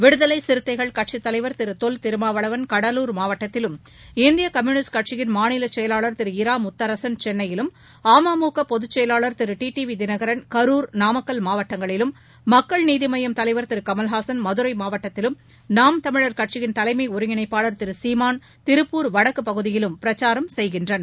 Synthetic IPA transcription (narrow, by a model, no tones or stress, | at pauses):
ʋɪɽɯðɐlɐɪsɪɾɯt̪ːɐɪɣɐɭkɐʈ̚ʂit̪ːɐlɐɪʋɐɾt̪ɪɾɯt̪olt̪ɪɾɯmaːʋɐɭɐʋɐnkɐɽɐluːɾmaːʋɐʈːɐt̪ːɪlɯm | ɪnd̪ɪjɐkɐmjuːnɪsʈkɐʈ̚t͡ʃɪjɪnmaːnɪlɐt͡ʃːɛjɐlaːɭɐɾt̪ɪɾɯɪɾaːmʊt̪ːɐɾɐsɐnt͡ʃɛnːɐjɪlɯm | aːmaːmuːkɐpɔðɯt͡ʃːɛjɐlaːɭɐɾt̪ɪɾɯʈiːʈiʋid̪ɪnɐɣɐɾɐnkɐɾuːɾnaːmɐkːɐlmaːʋɐʈːɐŋɡɐɭɪlɯmː | ɐkːɐɭniːðɪmɐjɐmt̪ɐlɐɪʋɐɾt̪ɪɾɯkɐmɐlɦaːsɐnmɐðɯɾɐɪmaːʋɐʈːɐt̪ːɪlɯm | naːmt̪ɐmɪɻɐɾkɐʈ̚t͡ʃɪjɪnt̪ɐlɐɪmɐɪʊɾɯŋɪɳɐɪpːaːɭɐɾt̪ɪɾɯsiːmaːn | t̪ɪɾɯpːuːɾʋɐɽɐkːɯpɐɣɯðɪjɪlɯmpɪɾɐt͡ʃːaːɾɐmsɛjɣɪndrɐn